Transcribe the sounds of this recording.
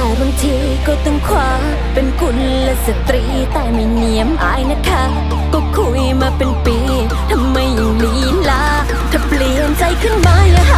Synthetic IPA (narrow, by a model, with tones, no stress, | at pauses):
t̪ɛː˨˩ba˨˧ŋt̪ʰiː˧˥ | kɔː˧˩t̪ɔ˧˩ŋkʰwaː˧ | pe˨˧nku˧˩n | lɛ˧sa˨˧˩t̪ɾi˧˥t̪ɛː˧˩ma˧˩jni˨˧˩əmʔaː˨˧˥jna˧˩kʰːa˧˥ | kɔ˧˩kʰu˧˩jmaː˧pe˧npiː˨˧˦ | t̪ʰa˧mːa˧jːa˨˩ŋliː˨˦ | laː˧˥ | t̪ʰa˧˩pli˨˧˩ə˨˩nt͡ɕa˧jkʰɯ˥˩˨nmaː˧˥ja˧